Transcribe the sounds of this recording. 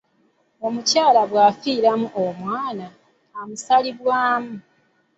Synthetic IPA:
o̞mucaːlaβwaːfiːɾamuʔomwaːnaː | musaliβwaːmu

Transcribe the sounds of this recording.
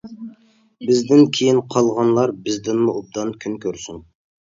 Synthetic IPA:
bɪzd̪ɪnkʲʰejinqʰɑlˠʁɑnlˠɑɾbɪzd̪ɪnmuub̚d̪ɑnkʲʰynkʲʰøɾsyn

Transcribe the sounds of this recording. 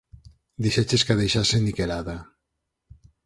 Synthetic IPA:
d̪iʃet͡ʃeskaðejʃasenikelaða

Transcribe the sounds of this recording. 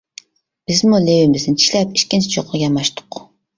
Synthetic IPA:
b̥ɪzmulewɪmɪznɪt͡ʃʰi̥ʃʲlɛpi̥t͡ʃkʲint͡ʃʰit͡ʃʰoqʰːɑɡʲɑmɑʃt̪ʊ̥qː

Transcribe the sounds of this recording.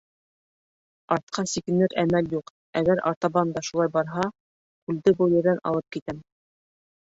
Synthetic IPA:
ɑɾt̪̚qʰɑsikɘ̆nɘɾæmæljuq | æɡæɾʔɑ̰ɾt̪ɑβɑnd̪ɑʃulˠɑjbɑɾɦɑ | kʉld̪ɘbɤjɘ̆ɾðænʔɑ̰lˠɤp̚kit̪æm

